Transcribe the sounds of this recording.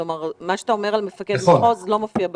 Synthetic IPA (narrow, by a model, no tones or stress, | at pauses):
omaʁmaʃeat̪aomeʁalmefaked̪eχozlo̞mofiab